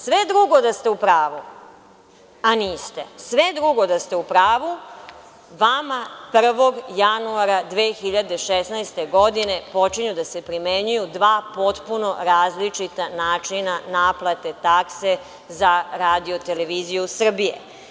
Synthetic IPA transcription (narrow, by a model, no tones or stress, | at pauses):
sʋe̞d̪ɾuɡo̞d̪ast̪e̞upɾaːʋu | aniːst̪e̞sʋe̞d̪ɾuɡo̞d̪ast̪eupɾaːʋu | ʋamapr̩ʋo̞ɡjanuaɾad̪ʋeːxiʎad̪e̞ʃesnajst̪e̞ɡo̞d̪ine̞po̞t͡ʃiɲud̪ase̞pɾimeɲujud̪ʋaːpo̞t̪puno̞ɾaːzlit͡ʂit̪anaːt͡ʂinanaːplˠat̪e̞t̪akse̞ | zaɾaːd̪io̞t̪e̞le̞ʋizijusr̩bijḛ